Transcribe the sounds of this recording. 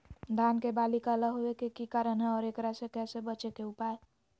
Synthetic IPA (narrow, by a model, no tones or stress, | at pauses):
d̪ʱankebalikaləɦoekekikaɾənɦɛɔːɾekɾasekɛsebət͡ʃekeupae